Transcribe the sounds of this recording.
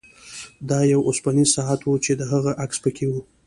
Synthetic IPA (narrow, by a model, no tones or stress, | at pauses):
d̪ɑjawʔʊspanizsɑat̪wut͡ʃed̪əɦaɣaʔakspəkʰewu